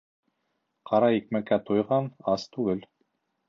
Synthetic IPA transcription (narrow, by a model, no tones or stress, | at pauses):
qʰɑɾɑik̚mækːæt̪ojʁɑnɑst̪ʉɡɘl